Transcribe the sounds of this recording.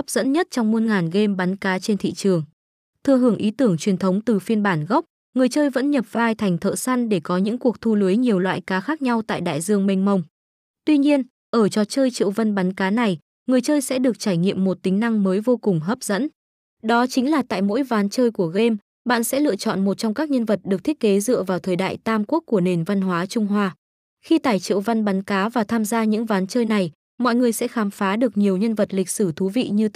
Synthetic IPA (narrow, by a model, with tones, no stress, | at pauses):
p̚zə̰˧˥nɲə˦˥t̚t͡ɕɔ˧wŋ͡mmu˧ənŋaː˨˩nɣe˧mɓa˨˦nkaː˨˦t͡ɕe˧nt̪ʰḭ˧˨t͡ɕɨ˨˩əŋ | t̪ʰɨ˧əɦɨ˧˩əŋʔi˨˦t̪ɨ˧˩əŋt͡ɕwi˨˩ənt̪ʰə˨˦wŋ͡mt̪ɨ˨˩fi˧ənɓaː˧˩nɣɔ˦˥k͡p̚ | ŋɨ˨˩əjt͡ɕəː˧jvə̰˧˥nɲə˨˩p̚vaː˧jt̪ʰa˨˩ŋ̟t̪ʰə̰ː˧˨sa˧nɗe˧˩kɔ˨˦ɲɨ̰˧˥ŋku˨˩ək̚t̪ʰu˧lɨ˨˦jɲi˨˩əwlwa̰ː˧˨jkaː˨˦xaː˦˥k̚ɲa˧wt̪a̰ː˧˨jɗa̰ː˧˨jzɨ˧əŋmə˧jŋ̟mə˧wŋ͡m | t̪wi˧ɲi˧ən | ʔəː˧˩t͡ɕɔ˨˩t͡ɕəː˧jt͡ɕḭ˧˨wvə˧nɓa˨˦nkaː˨˦na˨˩j | ŋɨ˨˩əjt͡ɕəː˧jsɛ̰˧˥ɗɨ˨˩ək̚t͡ɕaː˧˩jŋḭ˧˨əmːo˨˩t̚t̪ï˨˦ŋ̟na˧ŋməː˨˦jvo˧kʊ˨˩ŋ͡mɦəː˦˥p̚zə̰˧˥n | ɗɔ˨˦t͡ɕï˨˦ŋ̟laː˨˩t̪a̰ː˧˨jmo̰˧˥jvaː˨˦nt͡ɕəː˧jku˧˩əɣe˧m | ɓa̰ː˧˨nsɛ̰˧˥lɨ̰˧˨ət͡ɕɔ̰˧˨nmo˨˩t̚t͡ɕɔ˧wŋ͡mkaː˦˥k̚ɲə˧nvə˨˩t̚ɗɨ˨˩k̚t̪ʰi˦˥t̚ke˨˦zɨ̰˧˨əvaː˨˩wt̪ʰəː˨˩jɗa̰ː˧˨jt̪aː˧mku˦˥əkːu˧˩əne˨˩nva˧nɦwaː˨˦t͡ɕʊ˧ŋ͡mɦwaː˧ | xi˧t̪aː˧˩jt͡ɕḭ˧˨wva˧nɓa˨˦nkaː˨˦vaː˨˩t̪ʰaː˧mzaː˧ɲɨ̰˧˥ŋvaː˨˦nt͡ɕəː˧jna˨˩j | mɔ̰˧˨jŋɨ˨˩əjsɛ̰˧˥xaː˨˦mfaː˨˦ɗɨ˨˩ək̚ɲi˨˩əwɲə˧nvə˨˩t̚lï˨˩k̟̚sɨ˧˩t̪ʰu˨˦vḭ˧˨ɲɨ˧